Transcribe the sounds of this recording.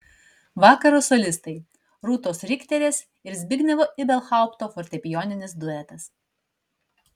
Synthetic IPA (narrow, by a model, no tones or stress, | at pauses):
ʋɑːkɐɾoːsɔlʲɪst̪ɐɪ | ɾuːt̪oːsɾʲɪkʲt̪ʲɛɾʲeːs | ɪɾzʲbʲɪɡʲnʲɛʋoːʔɪbʲɛlˠxɑˑʊpt̪oːfɔɾʲt̪ʲɛpʲɪjɔːnʲɪnʲɪsd̪ʊɛt̪ɐs